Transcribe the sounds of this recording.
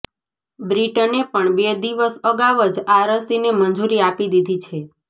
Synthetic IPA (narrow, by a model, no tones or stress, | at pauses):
bɾiʈənepəɳbed̪iʋəsəɡaʋəd͡ʒaɾəsinemənd͡ʒuɾiapid̪id̪ʱit͡ʃʰe